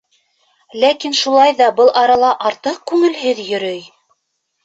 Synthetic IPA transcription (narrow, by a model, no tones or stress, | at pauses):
lækinʃulˠɑjðɑbɤlˠʔɑɾɑlˠɑʔɑɾt̪ɤq̚kʉŋɘ̆lɦɘðjɵ̆ɾɵj